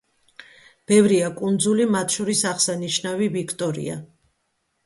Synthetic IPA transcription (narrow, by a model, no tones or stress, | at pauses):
b̥ɛvɾiakʼund̪zulimat̪ʰʃɔɾisaχsaniʃnavivikʰt̪ʼɔɾḭa̰